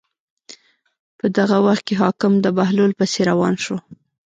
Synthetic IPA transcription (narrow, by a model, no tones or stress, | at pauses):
pəd̪aɣawaxt̪̚keɦɑkɪmd̪əbaɦlolpəseɾawɑnʃo